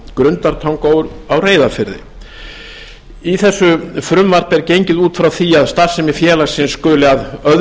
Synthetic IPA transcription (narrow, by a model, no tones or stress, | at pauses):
kɾʏnt̪aɾt̪ʰawŋkowʏɾawreːjðafɪɾðɪ̰ | iθɛsːʏfɾʏmvar̥p̪ɛɾcejɲcɪðuːt̪fɾawθiaðst̪ar̥sɛmɪfjɛːlasɪnskʏːlɪaðœð